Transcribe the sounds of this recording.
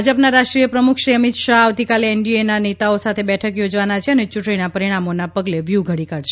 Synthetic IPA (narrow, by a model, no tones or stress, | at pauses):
d͡ʒəpnaɾaʃʈɾiəpɾəmukʰʃɾiəmit̪ʃaɦaʋt̪ikaleɛɳɖienanet̪aosat̪ʰebɛʈʰəkjod͡ʒʋanat͡ʃʰeənet͡ʃuʈɳinapəɾiɽ̃amonapəɡleʋjuɡʱəɽikaɽʃe